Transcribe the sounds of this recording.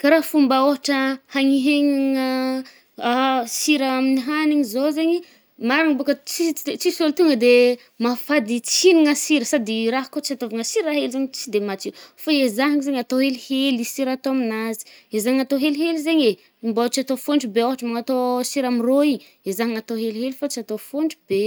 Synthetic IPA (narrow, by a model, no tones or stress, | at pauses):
kaɾafumbəoɦaʈ͡ʂəhaŋiɦeŋaŋə | asiɾaaminiɦaniɲizozeɲi | maɾaŋbokət͡sit͡sisolt̪uŋəd̪e | mafad̪it͡siniŋəsiɾəsad̪iɾaɦkot͡ʃiat̪ovaŋəsiɾaɦelzeɲit͡sid̪emat͡sifaezaɦŋizeɲat̪oɦelihelisiɾat̪oaminazi̥ezaɲat̪oɦelɦelizeɲe | imbat͡ʃiat̪ofoɳɖ͡ʐubeoɦaʈ͡ʂəmaŋat̪osiɾamiroi | ezaɦaŋat̪oɦeliɦelifat͡ʃiat̪ofoɳɖ͡ʐube